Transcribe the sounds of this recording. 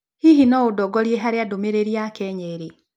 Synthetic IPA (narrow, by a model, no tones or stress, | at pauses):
hiɦinɔudɔɡɔɾjeɦaɾjadomeɾeɾiakɛɲeɾe